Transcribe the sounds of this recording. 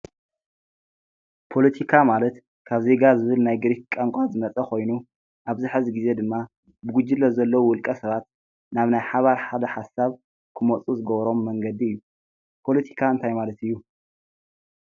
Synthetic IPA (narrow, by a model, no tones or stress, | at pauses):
pʰo̞lɐt̪ʰikʰamalɐt̪ | kʰaβze̞ɡazɨβɨlnajɡɨɾikkʼaŋkʷʼat̪zɨnɐt͡sʼɐkʰo̞jnu | ʔaβzɨħɨzɡize̞d̪ɨmːa | bɨɡud͡ʒilːɐzɐlːɐwuwʊlkʼɐsɐβat̪̚ | naβnajħaβaɾħad̪ɐħasaβ | kʰɨmot͡sʼuzɨɡɐβɾo̞mːɐŋɡɐd̪iɨjːu | pʰo̞lɐt̪ʰi̥kʰaɨnt̪ʰajmalɐt̪ɨjːu